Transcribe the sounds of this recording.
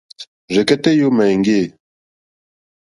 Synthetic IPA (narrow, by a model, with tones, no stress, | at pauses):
ʐɛ˨kɛ˦tɛ˦jo˦ma˨ŋɡe˦˨